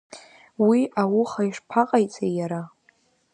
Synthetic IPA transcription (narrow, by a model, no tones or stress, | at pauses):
wiawʊχaiʂpʰaqʼajt͡sʼejaɾa